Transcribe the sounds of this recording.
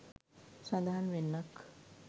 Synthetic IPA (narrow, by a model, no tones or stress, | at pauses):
sad̪aɦanʋenːak